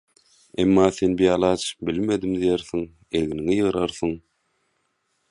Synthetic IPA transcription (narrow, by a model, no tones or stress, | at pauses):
emːɑːθe̞nbijɑːlˠɑːt͡ʃʰbilme̞d̪imd̪ijeɾθiŋ | elɡiniŋijɯɣɾɑɾθɯŋ